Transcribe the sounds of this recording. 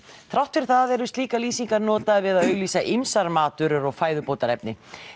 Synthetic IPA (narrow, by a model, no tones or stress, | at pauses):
θɾawht̪fɪɾ̥θaɛɾʏst̪liːkaliːsiŋkaɾnɔːt̪avɪðaðœːɥɣliːsaʔimsaɾmaːt̪ʏɾʏɾɔɣfaːjðʏpoːwt̪aɾɛp̚nɪ̰